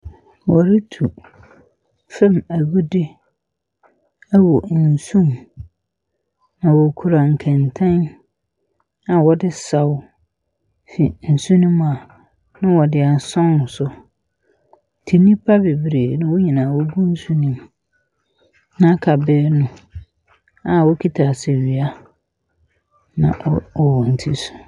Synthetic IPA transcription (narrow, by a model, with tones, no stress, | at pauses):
wɔ˨ɾɪ˦tʰu˨ | fɛ̃˦˨mæ˨bu˦dɪ˦ | ɛ˦wɔ˨n̩˨sũ˦˨m | nã˨wɔ˨kʰu˨ɾa˨ŋ̩˨kʰɛ̃˨ntʰã˦n | ã˨wɔ˦dɪ˦sa˦ʊ˦ | fi˨n̩˨sũ˦nĩ˦m˨a˨ | nʊ̃˦wɔ˨dɪ˨a˨sɔ̃˦n̩˨sʊ˨ | tʰi˨nĩ˦pʰa˦be˨bɾeː˨nã˦wo˦ɲĩ˨nã˨wo˦ɡu˦n̩˦su˦nĩ˨m | nã˦kʰa˨bɛː˦nʊ̃˨ | a˨wo˦kʰi˦tʰa˨sɛ˨ɥi˨a˦ | nã̰˨ʔɔ˦wɔ̃˨n̩˨tʰi˦su̥˨